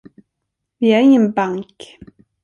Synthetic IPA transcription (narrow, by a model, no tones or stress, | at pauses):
vɪæɾɪŋːənbaŋk